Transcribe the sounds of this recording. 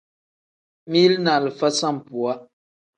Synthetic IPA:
mi˦lna˨lə˨fa˦sa˦˨m̩˨pu˨a˦

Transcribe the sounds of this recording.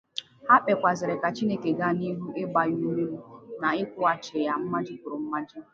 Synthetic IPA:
ha˦k͡pe˨kʷa˨zɪ˨ɾɪ˨ka˨t͡ʃi˦ne˦ke˨ɡa˦ni˦ɦu˦e˦ɡ͡ba˨ju˦me˦mu˦na˨ɪ˦kʷʊ˦a˨t͡ʃɪ˨ja˨m̩˦ma˦d͡ʒɪ˦kʊ˨ɾʊ˨m̩˦ma˦d͡ʒɪ˦

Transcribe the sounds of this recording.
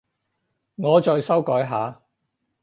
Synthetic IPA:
ŋɔː˨˧t͡ʃɔː˧jsɐ˥wkɔː˨˥jɦaː˨˧

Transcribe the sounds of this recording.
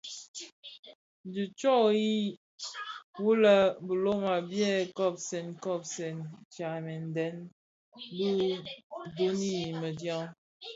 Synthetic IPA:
n˨du˨t͡ʃɔ˦ji˦ | wu˦lə˦bə˨lo˦ma˨bjɛ˦˨kɔ˦˨p̚sɛ˨nkɔ˦˨p̚sɛ˨nt͡ʃa˨mɛ˨n˨dɛ˨˦n˦ | bu˦ | do˦ni˦˨mə˨dja˦ŋ

